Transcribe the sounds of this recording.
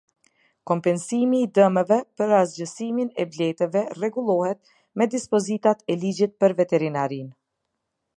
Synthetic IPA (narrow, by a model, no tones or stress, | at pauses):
kɔmpɛnsimiːd̪əməvɛpəɾazd͡ʒəsiminɛblɛt̪əvɛrɛɡulˠɔhɛt̪̚ | mɛd̪ispɔzit̪at̪ɛlid͡ʒit̪̚pəɾvɛt̪ɛɾinaɾin